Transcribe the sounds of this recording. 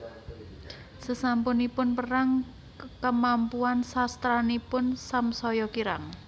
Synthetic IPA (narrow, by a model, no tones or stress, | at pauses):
səsampʊnipʊnpəɾaŋ | kəmampuansast̪ɾanipʊnsamsɔjɔkiɾa̰ŋ